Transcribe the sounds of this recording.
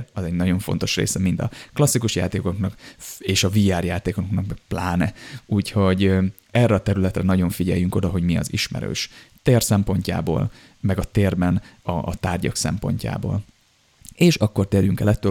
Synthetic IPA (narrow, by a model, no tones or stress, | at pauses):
ɒzɛɟnɒɟo̞ɱfo̞̰n̪t̪o̞ʃrḛːsɛmint̪ɒ̰klɒsːikuʃja̰ːt̪eːkoknɒkeːʃɒvijaːrjaːt̪eːkoknɒkɛplaːnɛuːcho̞ɟ | ɛrːɛɒt̪ɛɾylɛt̪rɛnɒɟo̞ɱfiɟɛ̰jːyŋko̞d̪ɒɦo̞ɟmiɒ̰ziʃmɛ̰ɾø̰ːʃt̪eːrsɛmpo̞ɲca̰ːbo̰ːl | mɛɡɒt̪eːrbɛnɒt̪aːrɟɒ̰ksɛ̰mpo̞̰ɲca̰ːbo̰ːl | eːʃɒkːo̞rt̪eːrɾjyŋkɛlɛt̪ːøː